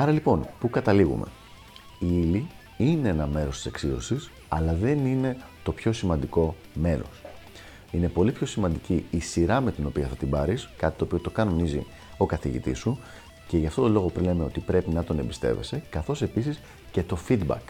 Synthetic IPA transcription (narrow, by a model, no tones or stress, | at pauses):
ɐɾɐlipo̞npukɐt̪ɐliɣṵme̞̰ | iili | ine̞enɐme̞ɾost̪i̥seksio̞̰sis | ɐlɐðe̞nine̞ | t̪o̞pço̞simɐnd̪iko̞ | me̞ɾo̞̰s | ine̞po̞lipço̞simɐnd̪iciisiɾɐme̞t̪ino̞piɐθɐt̪ibɐɾiskɐt̪it̪oːpio̞t̪o̞kɐno̞nizḭ | o̞kɐθḭʝḭt̪ḭsu | ce̞ʝɐft̪o̞t̪o̞lo̞ɣopɾilemeo̞̰t̪ipɾe̞pinɐt̪o̞ne̞mbist̪e̞̰ve̞̰se̞kɐθo̞se̞pisis | ce̞t̪o̞fid̪bɐ̰k